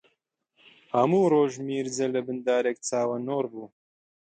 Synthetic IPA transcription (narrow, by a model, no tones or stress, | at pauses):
hɐmuːɾoːʒmiːɾzɛlɨbɨnd̪aːɾeːk̚t͡saːwɐnoːɾbuː